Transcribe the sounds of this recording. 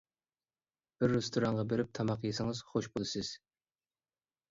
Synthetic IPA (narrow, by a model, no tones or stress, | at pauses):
b̥ɪɾːest̪ʰuɾɑɴʁɑbeɾɪp̚t̪ʰɑmɑqjesɪŋɨz̥χoʃbolˠɨsɪz̥